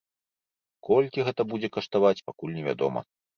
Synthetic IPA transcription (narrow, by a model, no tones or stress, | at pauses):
kɔlʲkʲiɣɛt̪ɐbud͡zʲɛkɐʂt̪avat͡sʲpakulʲnʲɛvʲa̰d̪ɔ̰mɐ̰